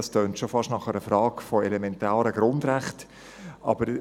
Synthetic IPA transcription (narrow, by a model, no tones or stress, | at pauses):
ɑstøːntʃofɑʃtnɑχəɾəfɾɑːkfɔɛlɛmɛntaːɾəɡ̥ɾʊndɾæχt | ʔɑbəɾ